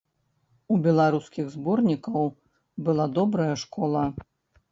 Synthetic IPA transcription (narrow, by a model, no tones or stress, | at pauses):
ubʲɛlˠaɾuskʲiɣzbɔrnʲikɐw | bɨlˠad̪ɔbɾɐjɐʂkɔlˠɐ